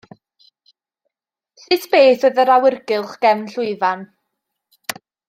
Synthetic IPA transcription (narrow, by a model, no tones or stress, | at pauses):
sɨtʰbeːθoðəɾawɪrɡɪlˠχɡ̥ɛmnɬʊɨvan